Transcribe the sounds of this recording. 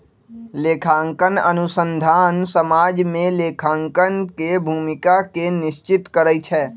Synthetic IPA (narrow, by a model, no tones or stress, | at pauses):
leːkʰãːŋkənə̰nʊsə̃nd̪ʱaːnsəmaːd͡ʒmẽleːkʰãːŋkənkebʱuːmɪkakenɪʃt͡ʃɪt̪kəɾəit͡ʃʰɛː